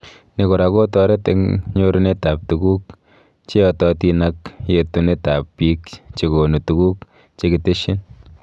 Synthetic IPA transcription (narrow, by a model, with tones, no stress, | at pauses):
ne˨ko˨ɾa˨ko˦tɔ˨ɾe˦tḛŋɲo˦ɾu˦ne˦ta˨p̚tu˨ɡu˦k | t͡ʃe˦ɔtɔti˧na˦kjetu˦ne˦ta˨pːi˦kt͡ʃe˨ɡo˨nu˨tu˨ɡu˦k | t͡ʃe˦ki˨te˦ʃi˦n